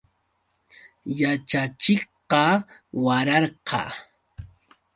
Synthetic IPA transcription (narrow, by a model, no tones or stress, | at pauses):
jat͡ʃat͡ʃɪχqɑwaɾɑɾqʰɑ̰